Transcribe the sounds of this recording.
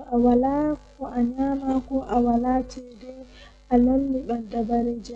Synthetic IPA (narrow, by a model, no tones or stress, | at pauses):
ɔʔawalakɔʔaɲaːmakɔʔawalaːtʰɛdɔ | ʔanonːiɓandabaɾed͡ʒa